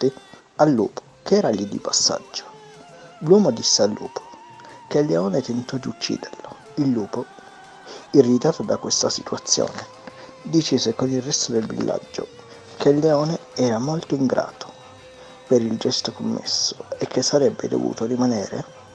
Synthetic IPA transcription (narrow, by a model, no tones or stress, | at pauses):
t̪i | alːṵːpo̥kɛːɾalid̪ḭpasːa̰d͡ʒːo̥ | lwɔːmod̪isːealːṵːpʰo̥ | kelːeɔːnet̪ent̪ɔd̪iut͡ʃːḭːd̪eɾlo | ilːuːpo | irːit̪aːt̪od̪akwest̪asit̪uat̪sːjo̰ːne | d̪it͡ʃisekonilrɛst̪od̪elvḭlːa̰d͡ʒːo̰ | kʰelːeɔːneɛːɾamolt̪oiŋɡɾʔa̰ːt̪o̥ | peɾild͡ʒɛst̪okomːḛsːoekʰːesːaɾɛbːḛd̪o̰vṵːt̪orimanɛːɾḛ